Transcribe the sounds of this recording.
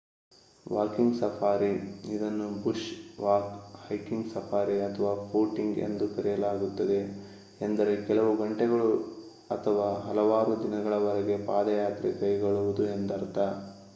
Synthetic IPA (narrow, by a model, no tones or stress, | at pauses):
ʋaːkiŋɡsɐpʰaːɾiid̪ɐnːubuʂʋaːkhɐjkiŋɡsɐpʰaːɾiɐt̪ʰɐʋaːpʰoːʈiŋɡe̞̰nd̪ukɐɾijɐlaːɡut̪ːɐd̪e̞ː | nd̪ɐɾe̞kɛlɐʋuɡɐɳʈɛɡɐɭu | ɐt̪ʰɐʋaːɦɐlɐʋaːɾud̪inɐɡɐɭɐʋɐɾɛɡe̞paːd̪ɐjaːt̪ɾɛkɐjɐɡoɭuʋud̪ue̞nd̪ɐɾt̪ɐ